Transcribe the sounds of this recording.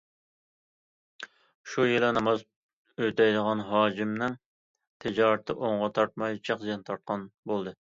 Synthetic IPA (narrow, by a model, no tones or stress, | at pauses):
ʃujɨlˠɛnɑmɑz | øt̪ɛjd̪əʁɑnɦɑːd͡ʒimnɪŋ | t̪ʰɪd͡ʒɑːɾɨt̪ʰːɪʔoɴʁɑt̪ʰɑɾt̪̚mɑjt͡ʃʰæqzɛnt̪ʰɑɾt̪̚qʰɑnbolˠd̪ɨ